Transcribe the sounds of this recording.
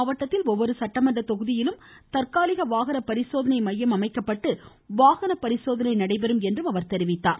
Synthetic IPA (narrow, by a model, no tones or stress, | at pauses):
ɐʋɐʈːɐt̪ːɪlɔʋːɔɾɯsɐʈːɐmɐɳɖɐt̪ɔɣɯðɪjɪlɯm | t̪ɐɾkaːlɪɣɐʋaːɣɐnɐpɐɾɪsoːðɐnɐɪmɐjːɐmɐmɐɪkːɐpːɐʈːɯ | ʋaːɣɐnɐpːɐɾɪsoːðɐnɐɪnɐɽɐɪpɛɾɯmɛndrɯmɐʋɐɾt̪ɛɾɪʋɪt̪ːaːn